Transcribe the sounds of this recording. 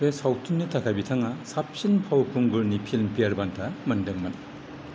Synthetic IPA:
ɾesawtʰinːitʰakʰajbitʰaŋasap̚sinpʰawkʰuŋɡɯɾnipʰilmpiaɾbantʰamɐndɯŋmɐn

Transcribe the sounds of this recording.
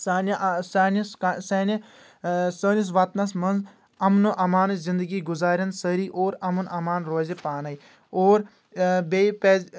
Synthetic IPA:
saːnsaːniskasɐːnɐ | səːnis̬ʋaːt̪nɐs̬mɐnz | ɐmnuʔɐmaːnzɪnd̪əɡiːɡʊzaːɾʲjɐnsəɾiːʔoːɾɐmɐnɐmaːnɾoːzepaːnɐj | oːɾ | bepeː

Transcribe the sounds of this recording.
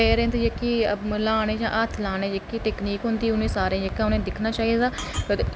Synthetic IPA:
ɛːɾẽnt̪ːjəkːilaːɽ̃eːd͡ʒã̰ːʔət̪ʰlaːɽeːd͡ʒəkːiːʈɛːkniːkɦʊnd̪iːʊnẽːsaːɾẽːjəkːãːʊnẽːd̪ɪkʰnaːt͡ʃaːid̪aː

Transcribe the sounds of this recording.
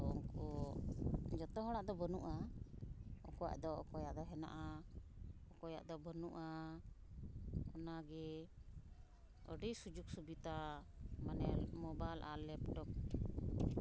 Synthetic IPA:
ṵŋkɔ | d͡ʒɔt̪ɔɦɔɽ̃aʔd̪ɔbənuʔa | ɔkɔja̰ʔd̪ɔɔ̰kɔjaʔd̪ɔɦɛna̰ʔa | ɔkɔja̰ʔd̪ɔbənṵʔa | ɔnaɡɛ | ə̰ɖijsud͡ʒuk̚subit̪amanɛlmɔbajlʔa̰lːɛpʈɔk̚

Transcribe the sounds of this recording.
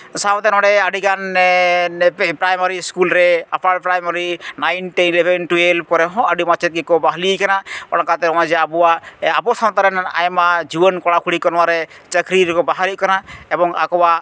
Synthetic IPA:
sat̪ɛnɔ̃ɽɛaɖikan | pɾajmaɾiskulɾɛapaɽpɾajmaɾinajnʈiilebʱenʈuelkɔɾɛɦɔ̃əɖimat͡ʃʰɛt̪̚ɡɛkɔbaɦlikanaɔ̰ɽãkat̪ɛɾɔwad͡ʒɛabɔwaabɔsʰawt̪aɾɛna̰jmad͡ʒibənkɔɽakʰuɽikɔnwaɾɛt͡ʃəkɾiɾɛkɔbaɦaɾikɔnaɛbɔŋa̰kɔwa

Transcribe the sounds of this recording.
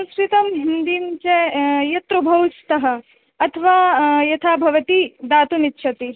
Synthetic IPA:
sɐmskɾit̪ɐmɦind̪iːmt͡ʃɐjɐt̪ɾubʱɐwst̪ɐɦɐ̆ | ɐt̪ʰɐʋaːjɐt̪ʰaːbʱɐʋɐt̪id̪aːt̪umitːʃʰɐt̪i

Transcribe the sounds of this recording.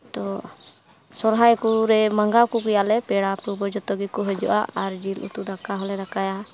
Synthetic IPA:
d̪ɔ | sɔɾɦajkuɾɛmaŋɡakɔkɛjaʔlɛpɛɽapɾubɔd͡ʒɔt̪ɔɡikɔɦɔd͡ʒɔ̰ʔa̰ʔaɾd͡ʒilʔṵt̪ud̪akaɦɔlɛɾakaja

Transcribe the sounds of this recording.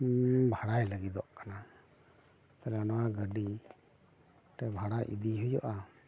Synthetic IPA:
bʱaɽajləɡid̪ɔʔkana | t̪ɛlanɔwaɡəɖi | ʈɛbʱaɽajʔḭd̪iɦujɔ̰ʔa

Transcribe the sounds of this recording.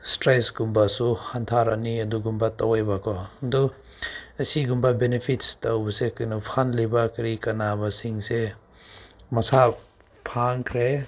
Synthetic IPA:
stɾejsɡumbasuhantʰaɾa̰niɐduɡumbatɐwajbakʰɔɐdu | ɐsiɡumbɐbenepʰitstɐwbɐsekajnɐpʰanlɐjbakɐɾikɐnabɐsiŋse | mɐsa | pʰaŋkʰɾe

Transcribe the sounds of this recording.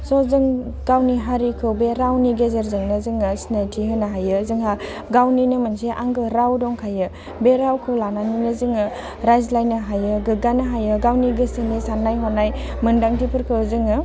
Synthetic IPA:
sɔzɯŋ | ɡ̥awniɦaɾikʰɯwbeɾawniɡezeɾzɯŋnɯzɯŋɯsinajtʰiɦɯnaɦajɯzɯŋɦa | ɡawninɯmɯnseʔaŋɡɯɾawdɔŋkʰajɯ | beɾawkʰɯlananinɯzɯŋɯ | ɾajzlajnɯɦajɯɡɯɡanaɦajɯɡawniɡɯsɯnisanːajɦɔnaj | mɯndaŋtipʰɯɾkʰɯzɯŋɯ

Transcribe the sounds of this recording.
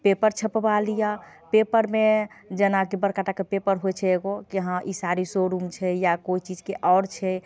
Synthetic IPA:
pepəɾt͡ʃʰəpbalija | pepəɾmed͡ʒənakibəɾkaʈakepepəɾɦojt͡ʃʰɛeɡokiɦãʔisaɾisoɾumt͡ʃʰɛjakoit͡ʃid͡ʒkeʔɔːɾt͡ʃʰɛ

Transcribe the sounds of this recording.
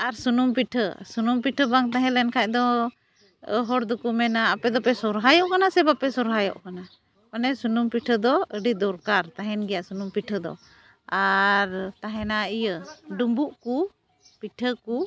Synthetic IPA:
aɾsunumpiʈʰə̰sunumpiʈʰəbaŋt̪ãɦɛ̃lɛnkʰac̚d̪ɔ | ɦɔɾd̪ukumɛnaːpɛd̪ɔpɛsɔɾɦajɔʔkanasɛbapɛsɔɾɦajɔ̰ʔkana | panɛsunumpiʈʰəd̪ɔəɖid̪ɔɾkaɾt̪aɦɛnɡɛjaʔsunumpiʈʰəd̪ɔ̰ | aɾt̪aɦɛnaijəɖumbuʔku | piʈʰəku

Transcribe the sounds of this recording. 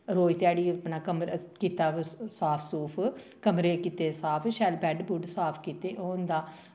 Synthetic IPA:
ɾoːjt̪ɪjaːɽiːpnaːkəmɾkiːt̪aːsaːpʰsuːpʰ | kəmɾeːkiːt̪eːsaːpʰʃɛːlbɛːɖbʊɖsaːpʰkiːt̪eːʔoːnd̪aː

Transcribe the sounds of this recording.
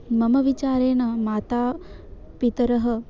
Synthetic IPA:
mɐmɐʋit͡ʃaːɾeːɳɐmaːt̪aː | pit̪ɐɾɐɦɐ̆

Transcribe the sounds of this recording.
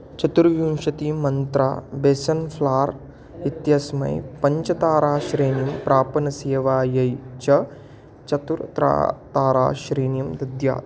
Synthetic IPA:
t͡ʃɐt̪uɾʋjunʃɐt̪imɐnt̪ɾa̰ːbeːsɐnpʰlaːɾ | it̪jɐsmɐ̰jpɐɲt͡ʃɐt̪aːɾaːʃɾeːnijɐmpɾaːpɐnɐseːʋaːjɐjt͡ʃɐ | t͡ʃɐt̪uɾt̪ɾa̰ːt̪aːɾa̰ːʃɾeːnjɐmd̪ɐd̪ja̰ː

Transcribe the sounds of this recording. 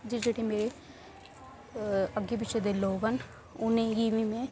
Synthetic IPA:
d͡ʒid͡ʒeʈʰemeːɾe | əɡebɪt͡ʃʰed̪eloːʋən | ʊnẽɡiːmimẽ

